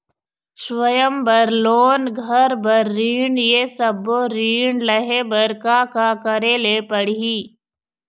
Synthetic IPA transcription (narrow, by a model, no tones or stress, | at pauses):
ʃwəjəmbɐɾloːnɡʱəɾbəɾːiːɳjesəbːoɾiːɳləɦebəɾkaːkakəɾeːlepəɽiː